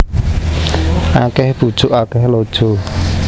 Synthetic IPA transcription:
akɛhb̥ud̥ʒ̥ʊʔakɛhlod̥ʒ̥o

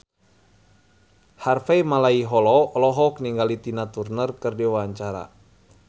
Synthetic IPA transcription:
harfɛjmalaiɦɔlɔlɔɦɔkniŋɡalit̪inat̪urnərkɨrdiwaɲt͡ʃaɾa̰

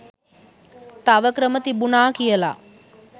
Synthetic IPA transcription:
t̪aʋəkɾəmət̪ibunaːkijəla̰ː

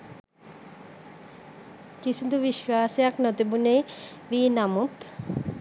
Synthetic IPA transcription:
kisud̪uβiʃwaːsjaknɔt̪ebune | ʋinamut̪

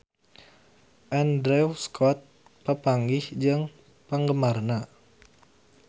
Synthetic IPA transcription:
ʔɛndɾɛwskʰɔt̪̚ | pəpaŋɡɪhd͡ʒɨŋ | pəŋɡəmarna

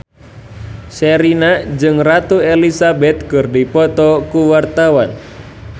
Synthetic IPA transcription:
sɛɾinad͡ʒɨŋrat̪uelisabɛt̪̚kɨrdipɔt̪ɔkuwart̪awan

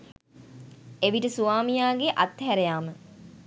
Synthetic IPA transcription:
eʋiʈəsuaːmijaːɡeʔat̪ːɦæɾejaːmə

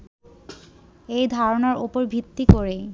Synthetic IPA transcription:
ejd̪ʱaɾonaɾupoɾbʱit̪ːikoɾe

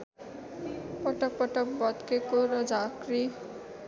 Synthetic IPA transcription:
pʌʈʌk̚pʌʈʌk̚bʌt̪kekoɾʌd͡zakri

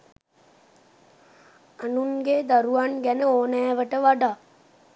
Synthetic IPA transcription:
anuŋɡed̪aɾuʋanɡænəoːnæːʋəʈəʋaɖa

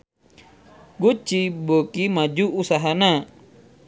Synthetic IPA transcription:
ɡut͡ʃibokimad͡ʒuusaɦana

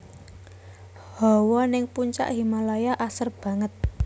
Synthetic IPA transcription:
hɔwɔnɪŋpuɲt͡ʃa̰ʔhimalajaʔasərb̥ä̤ŋət̪̚

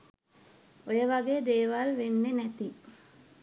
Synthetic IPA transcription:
ojəʋaɡeːd̪eːʋalʋenːenæt̪i

